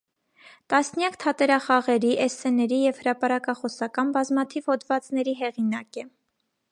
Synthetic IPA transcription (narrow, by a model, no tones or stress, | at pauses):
t̪ɑsnjɑkt̪ʰɑt̪ɛɾɑχɑʁɛɾiʔɛsɛnɛɾijɛvhəɾɑpɑɾɑkɑχɔsɑkɑnbɑzmɑt̪ʰiv̥hɔd̪vɑt͡snɛɾiɦɛʁinɑkɛ